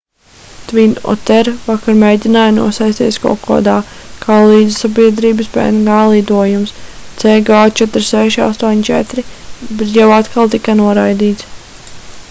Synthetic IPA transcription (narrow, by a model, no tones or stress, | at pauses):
t̪vinɔ̰t̪ɛɾvakaɾmɛjd̪ʲinaːjnṵɔsajsʲt̪iɛskɔ̰kɔ̰d̪aːkʰaːlˠiːd̪isabiɛd̪ɾiːbəspɛ̰nɡaːlˠid̪uɔjumst̪sɛːɡaːt͡ʃɛt̪ɾsɛʃia̰st̪uɔɲt͡ʃɛ̰t̪ɾibɛt̪̬jawat̪kalˠt̪ikanuɔɾajd̪iːt̪s